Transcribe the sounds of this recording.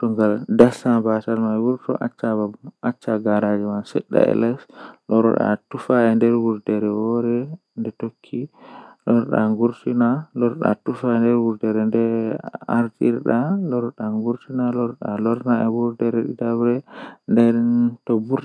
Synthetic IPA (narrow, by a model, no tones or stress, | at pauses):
tɔŋɡaldasabatalmajwuɾtɔ̰ʔat͡ʃːaaat͡ʃːaɡaɾad͡ʒɛmansɛ̰ɗːa̰ɛ̰lɛslɔɾɔ̰ɗa̰tufaɛndɛɾwuɾtɛɾɛwɔɾɛ | ndɛtokʰːilɔɾɗa̰ŋɡuɾtinalɔɾɗa̰tufaɛndɛɾbuɾtɛɾɛndɛa̰ɾtiɾɗalɔɾɗaŋɡuɾtinalɔɾɔɗalɔɾnaɛbuɾtɛɾɛɗidabɾɛndɛɾtɔbuɾ